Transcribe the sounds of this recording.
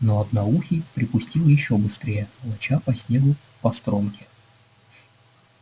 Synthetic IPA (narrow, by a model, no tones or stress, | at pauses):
noɐd̪nɐuxʲɪpɾʲɪpʊsʲtʲilˠjɪɕːobɨst̪ɾʲejəlˠɐt͡ɕapɐsʲnʲe̞ɡʊ | pɐst̪ɾomkʲɪ̥